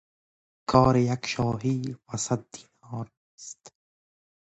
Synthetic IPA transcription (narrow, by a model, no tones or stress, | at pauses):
kʰɒːɾejakʃɔːɦiːwasat̪̚d̪iːnɔːɾ | st̪